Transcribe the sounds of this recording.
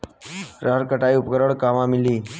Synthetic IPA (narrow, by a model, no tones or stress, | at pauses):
ɾəɦəɾkəʈaiupkəɾəɽkamamiliː